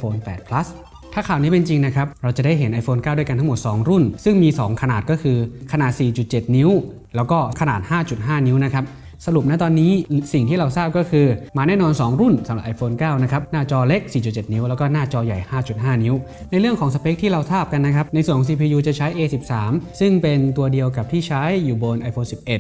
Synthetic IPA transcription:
fʰoː˧npɛ̰ː˨˩t̪̚pʰla˦˥s | t̪ʰaː˥˩kʰaː˨˩wniː˦˥pe˧nt͡ɕi˧ŋna˦˥kʰɾa˦˥p̚ɾa˧wt͡ɕa˨˩da˥˩jɦe˩˦nʔa˧jfʰoː˧nkaː˥˩du˥˩jka˧nt̪ʰŋmo˨˩t̪̚sɔː˩˦ŋɾu˥˩nsɯ˥˩ŋmiː˧sɔ̰ː˩˦ŋkʰa˧naː˨˩t̪̚kɔː˥˩kʰɯː˧kʰa˧naː˨˩t̪̚siː˨˩t͡ɕu˨˩t̪̚t͡ɕe˨˩t̪̚ni˦˥w | lɛː˦˥wkɔː˥˩kʰa˧naː˨˩t̪̚haː˥˩t͡ɕu˨˩t̪̚ɦaː˥˩ni˦˥wna˦˥kʰa˦˥p̚ | sa˧ɾu˨˩p̚na˦˥t̪ɔː˧nːiː˦˥si˨˩ŋt̪ʰiː˥˩ɾa˧wsaː˥˩p̚kɔː˥˩kʰɯː˧maː˧nɛː˥˩nɔː˧nsɔː˩˦ŋɾu˥˩nsa˩˦la˨˩ʔa˧jfʰoː˧nkaː˥˩wna˦˥kʰa˦˥p̚naː˥˩t͡ɕɔː˧le˦˥k̚siː˨˩t͡ɕu˨˩t̪̚t͡ɕe˨˩t̪̚ni˦˥wlɛː˦˥wkɔː˥˩naː˥˩t͡ɕɔː˧ja˨˩jhaː˥˩t͡ɕu˨˩t̪̚ɦaː˥˩ni˦˥w | na˧jɾɯ˥˩əŋkʰɔː˩˦ŋs̬a˧pʰe˦˥k̚t̪ʰiː˥˩ɾa˧wsaː˥˩p̚ka˧nːa˦˥kʰa˦˥p̚na˧jswnʰkɔ˨˦s̬iː˧pʰiː˧juː˧t͡ɕa˨˩t͡ɕʰa˦˥jʔeː˧si˨˩p̚saː˩˦msɯ˥˩ŋpe˧nt̪u˧ədi˧əwka˨˩p̚t̪ʰiː˥˩t͡ɕʰa˦˥jːuː˨˩bo˧nʔa˧jfʰoː˧nsi˨˩p̚ʔe˨˩t̪̚

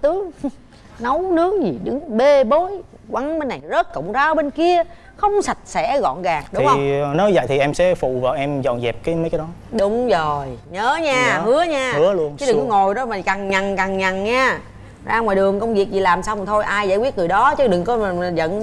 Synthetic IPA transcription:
t̪ɨ˨˦əŋ | nə˨˦wnɨ˦˥ək̚zi˨˩ɗɨ˨˦ŋɓe˧ɓo˨˦j | kwa˨˩ŋɓe˧nːa˨˩jzə˦˥t̚kə̰˧˨wŋ͡mtaː˨˧ʔə˧˦ɓe˧nki˧ə | xə˧wŋ͡msa˨˩jt̚sɛ̰˧˥ɣɔ̰˧˨nɣaː˨˩ŋ̚ɗʊ˨˦iŋ͡mhwnɔ˨˦zə̰˧˨jt̪ʰi˨˩ʔɛ˧msɛ̰˧˥fṵ˧˨vaː˨˩wʔɛ˧mzɔ̰˨˩nzɛ˨˩p̚kaː˨˦jmə˨˦jkaː˦jɗɔ˨˦ɗʊ˨˦wŋ͡mzo˨˩jɲəː˨˦ɲaː˧hɨ˨˦əɲaː˧hɨ˨˦əlu˧ənɨ˦ɗɨ˨˩kŋːo˨˩jɗɔ˨˦maː˨˩kaː˨˩ŋɲa˨˩ŋkaː˨˩ŋɲa˨˩ŋɲaː˧ | zaː˧ŋɔː˨˩jɗɨ˨˩əŋkə˧wŋ͡mvi˨˩ək̚zi˨˩laː˨˩msaː˧wma˨˩t̪ʰo˧jʔaː˧jza̰ː˧˥wi˦˥ət̚ŋɨ˨˩əjɗɔ˨˦t͡ɕɨ˨˦ɗɨ˨˩ŋkɔ˨˦˨zə̰˧˨n

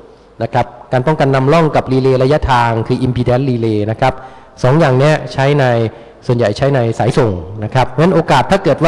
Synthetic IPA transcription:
na˦˥kʰɾa˦˥p̚kaː˧npɔ˥˩ŋka˧nːa˧mlɔ˥˩ŋka˨˩p̚liː˧leː˧ɾa˧ja˦˥ʔt̪ʰaː˧ŋkʰɯː˧˩ʔi˧mpʰiː˧dɛː˦˥nliː˧leː˧na˦˥kʰɾa˦˥p̚ | sɔː˩˦ŋjaː˨˩ŋni˦˥ɐt͡ɕʰa˦˥jna˧j | su˨˩ənja˨˩jt͡ɕʰa˦˥jna˧jsaː˩˦jso˨˩ŋna˦˥kʰɾa˦˥p̚mɛ˦˥nʔoː˧kaː˨˩t̪ʰːaː˥˩kɤː˨˩t̪̚waː˥˩

